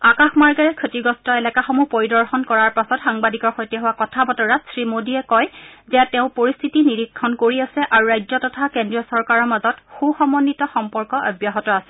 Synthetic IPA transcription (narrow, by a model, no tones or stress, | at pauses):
akaxmaɹɡaɹɛkʰotiɡɔstɔɛlɛkaxɔmupoɹidɔɹxɔnkɔɹaɹpasɔtxaŋbadikɔɹxɔjtɛɦʊwakɔtʰabɔtɔɹatsɹimodiɛkɔjzɛtɛʊ̃poɹist̪ʰitiniɹikʰːɔnkoɹiasɛʔaɹuɹajzɔtɔtʰakendɹiɔsɔɹkaɹɔɹmazɔtxuxɔmɔnːitɔxɔmpɔɹkɔʔɔ̰bjaɦɔtɔasɛ̥